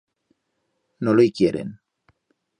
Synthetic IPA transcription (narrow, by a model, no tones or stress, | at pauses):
nolojkjeɾḛn